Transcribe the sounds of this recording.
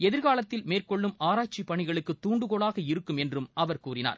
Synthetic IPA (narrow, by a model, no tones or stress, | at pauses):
ɛðɪɾɣaːlɐt̪ːɪlmeːrkɔɭːɯmaːɾaːt͡ʃipːɐɳɪɣɐɭɯkːɯt̪ːuːɳɖɯɣɔɭaːɣɐɪɾɯkːɯmɛndrɯmɐʋɐɾkuːrɪna̰ːɾ